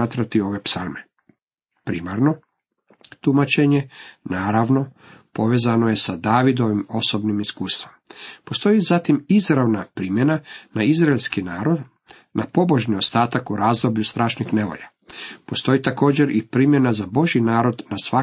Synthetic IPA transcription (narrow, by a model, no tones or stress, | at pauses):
aːt̪ɾat̪io̞ʋe̞psalˠme | pɾḭmaɾno̞ | t̪umat͡ʃe̞ɲe̞naːɾaʋno̞ | po̞ʋe̞zanojesad̪aːʋid̪o̞ʋimo̞sobnimiskuːst̪ʋompo̞st̪o̞jizat̪imizɾaʋnapɾimje̞nanaizɾaelʲskinaːɾo̞d̪ | napo̞bo̞ʒnio̞st̪aːt̪akuɾaːzd̪o̞bʎust̪ɾaːʃnixne̞ʋo̰ʎa | po̞st̪o̞jit̪ako̞ːd͡ʑeɾipɾimje̞nazabo̞ʒinaːɾo̞d̪nasʋa